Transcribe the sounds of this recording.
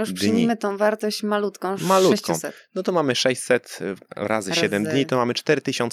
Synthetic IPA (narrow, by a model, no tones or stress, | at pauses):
juʂpʂd̪ɨjɲʲiimɘt̪ɔ̃w̃vaɾt̪ɔɕt͡ɕmalut̪kɔ̃w̃malutɛɕt͡ɕkɔũw̃sɛt̪nɔt̪ɔmamɘʂɛɕt͡ɕsɛt̪ɾa̰zɨɕɛd̪ɛmd̪ɲit̪ɔmamɘt͡ʂt̪ɛɾɘt̪ɘɕɔ̃ns